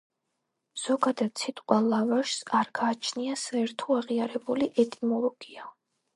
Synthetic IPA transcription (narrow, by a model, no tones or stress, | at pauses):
z̥ɔɡad̪ad̪̥sʰit̪ʼqʼwalavaʃsaɾɡaːt͡ʃʰniasaɛɾt̪ʰɔaʁiaɾɛbuliʔɛt̪ʼimɔlˠɔɡ̥ia